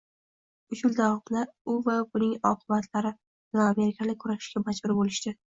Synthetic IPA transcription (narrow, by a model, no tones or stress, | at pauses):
ʊʃʊld̪awɒmlaʊvabʊnɪŋɒqʰɨbat̪laɾɪ | lame̞ɾɪkʲʰalɪkʰːʊɾaʃɪ̥ʃkʲamad͡ʒbʊɾbolɪʃt̪ɪ